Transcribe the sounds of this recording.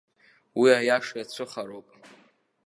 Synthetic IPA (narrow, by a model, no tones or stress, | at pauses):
wiajaʂjat͡ɕʷʰɨχaɾowpʼ